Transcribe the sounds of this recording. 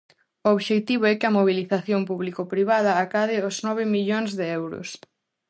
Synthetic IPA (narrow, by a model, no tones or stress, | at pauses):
ooβʃet̪iβ̞oɛkɪɐmoβ̞iliθaθjompuβlikopɾiβað̞ɐːkað̞ɪoznɔβɪmiʎoŋzðeɛwɾʊ̰s